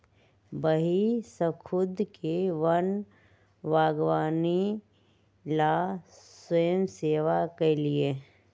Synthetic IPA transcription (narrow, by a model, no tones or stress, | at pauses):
bəɦisəkʰʊd̪keʋɐn | ʋaːɡʋaːni | laswəjəmseːʋakelie